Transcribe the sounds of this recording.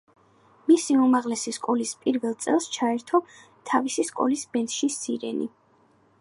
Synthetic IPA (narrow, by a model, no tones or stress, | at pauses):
misiumaʁlɛsiskʼɔlispʼiɾvɛlˠt̪sʼɛlˠst͡ʃʰaɛɾt̪ʰɔ | t̪ʰavisiskʼɔ̰lisbɛnt̪ʃisiɾɛ̰nḭ